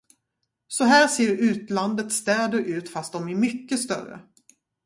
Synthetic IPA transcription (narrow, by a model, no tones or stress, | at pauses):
sɔɦæːɾseːɾʉ̟ːt̪land̪ət̪st̪ɛːd̪əɾʔʉ̟ːt̪fast̪̚d̪ɔmæɾmʏkːəst̪œ̰ɾə̰